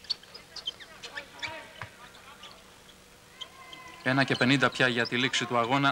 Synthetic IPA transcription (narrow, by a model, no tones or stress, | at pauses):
e̞nɐce̞pe̞nind̪ɐpçɐʝɐt̪iliksit̪uɐɣo̞nɐ